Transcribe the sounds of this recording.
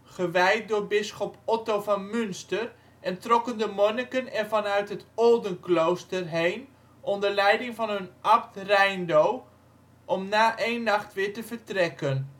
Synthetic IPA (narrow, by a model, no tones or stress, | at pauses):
χəʋɛjt̚dʊːɹbɪsχɔpɔtowvɑnmɵnstər | ʔɛntrɔkəndəmɔnɪkənɛnvɑnœɥtɦətɔldənklowstərɦejn | ʔɔndəɹlɛjdɪŋvɑnɦɵnʔɑp̚trɛjndow | ʔɔmnaːʔejnːɑχtʋɪːɹtəvəɹtrɛkən